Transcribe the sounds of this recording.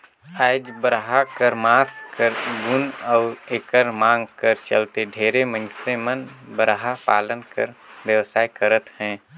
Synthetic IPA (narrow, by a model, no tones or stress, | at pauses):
aːd͡ʒbəɾɦakəɾmaːskəɾbʊnɔʊɾekəɾmãːŋɡkəɾt͡ʃəlt̪eɖʱeːɾemə̃nsemənbəɾɦapaːlənkə̰ɾʋjəʋsaːikəɾət̪hɛ̃ː